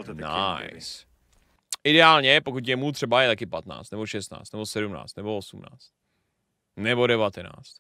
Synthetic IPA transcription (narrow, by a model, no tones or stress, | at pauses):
na̰js | ʔɪdɛaːlɲɛpokut̪c̪̬ɛmut̪r̥ɛbajɛt̪akɪpat̪na̰ːt͡st̪ɛbo̞ʃɛst̪na̰ːt͡st̪nɛbo̞sɛdumna̰ːt͡st̪nɛboosumna̰ːt͡st̪̚ | nɛbo̞dɛvat̪ɛna̰ːt͡st̪